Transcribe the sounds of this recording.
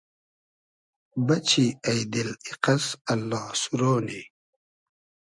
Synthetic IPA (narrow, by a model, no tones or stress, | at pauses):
bɐt͡ɕʰiɐjd̪iliqɐsɐlːɑːsuɾoːni